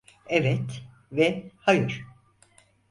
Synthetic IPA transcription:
ɛvɛt̪ | vɛhajɯɾ̥

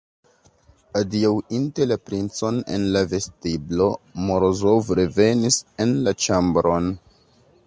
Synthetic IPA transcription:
adiawintelapɾint͡so̞ne̞̰nlave̞stiblo̞moɾozofɾeve̞nise̞nlat͡ʃambɾo̞n

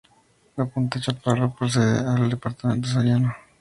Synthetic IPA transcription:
lapunt̪at͡ʃaparopɾoseðḛald̪epaɾt̪amẽnt̪̬osaljano

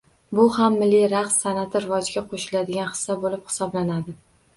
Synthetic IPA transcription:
bʊhamːɪlːiɾaqsːanat̪ʰɪɾɪvɒd͡ʒɡʲaqʰoʃɪlad̪ɪɡʲanhɪ̥sːabolɪphɪ̥sɒblanad̪ɪ

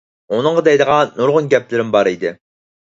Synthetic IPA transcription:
onɨŋʁɑd̪ɛjd̪əʁɑnuɾʁʊnɡʲɛplɪɾɪmbɑɾid̪ɪ

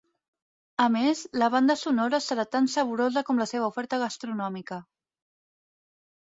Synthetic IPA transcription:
əmezləβ̞and̪əsunɔɾəsəɾat̪ansəβ̞uɾozəkɔmləseβəufɛɾt̪əɣəst̪ɾunɔmikə

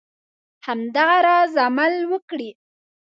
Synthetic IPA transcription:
hamd̪aɣaɾɑzamalwəkɽi

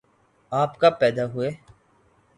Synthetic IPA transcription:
aːpkapɛːd̪aɦʊeː

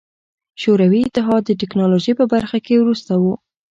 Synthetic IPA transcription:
ʃoɾawiɪt̪ɪɦɑd̪ːəʈɪknɑloʒəjpəbaɾxakewɾust̪awu

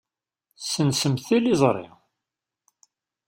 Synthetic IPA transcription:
sənsəmθilizˤɾˤḭ

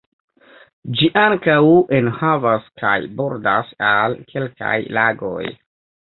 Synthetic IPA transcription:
d͡ʒiʔaŋkawʔenhavaskʰa̰jbo̞ɾda̰salkʰe̞lka̰jlaɡo̞̰j

